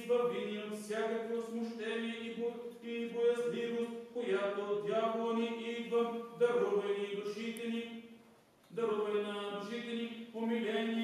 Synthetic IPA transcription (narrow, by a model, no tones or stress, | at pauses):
vɐvinifsʲjakɐkvosmʊʃt̪ɛnijɛ | ibojɐzlivost̪kojat̪od̪ʲjavlˠoniʔid̪vɐd̪ɐɾɔvɛnid̪ʊʃit̪ɛni | d̪ɐɾɔvɛlinɐd̪ʊʃit̪ɛnipomilʲɛni